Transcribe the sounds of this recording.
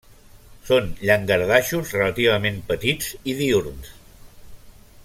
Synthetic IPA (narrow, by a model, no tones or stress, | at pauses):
sonʎəŋɡəɾðaʃuzrələt̪iβ̞əmẽmpət̪id͡ziðiuɾns